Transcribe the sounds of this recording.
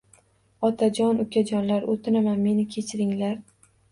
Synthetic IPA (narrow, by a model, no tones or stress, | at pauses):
ɒt̪ʰad͡ʒɒnʊkʲʰad͡ʒɒnlaɾot̪ʰɪnamanme̞nɪkʲʰe̞t͡ʃʰɪɾɪŋlaɾ